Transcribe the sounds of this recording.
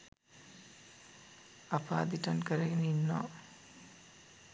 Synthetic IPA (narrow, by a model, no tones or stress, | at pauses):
apa̰ːd̪iʈɐnkəɾɐɡeneinːɔ̰ː